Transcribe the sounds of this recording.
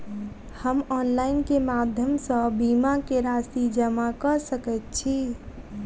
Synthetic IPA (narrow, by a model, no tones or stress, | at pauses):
həmɔnlaɪnkemad̪ʱjəmsə̃bimakeɾasid͡ʒəmakəɾsəkɛt̪̚t͡ʃʰi